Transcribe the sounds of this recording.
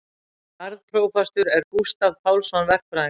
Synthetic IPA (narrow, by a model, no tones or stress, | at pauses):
aɾðpʰɾoːwfɛst̪ʏɾɛɾkust̪avpʰaːwlsɔnvɛr̥k̚pɾa